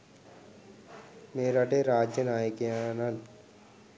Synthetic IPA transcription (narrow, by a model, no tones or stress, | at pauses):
meːɾaʈeɾaːd͡ʒjənaːjekeanan